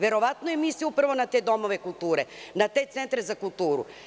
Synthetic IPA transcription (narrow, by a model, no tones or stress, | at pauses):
vɛɾɔvat̪noɛmisiupɾvonat̪ɛd̪ɔmovɛkulˠt̪uɾɛnat̪ɛt̪sɛnt̪ɾɛzakulˠt̪uɾṵ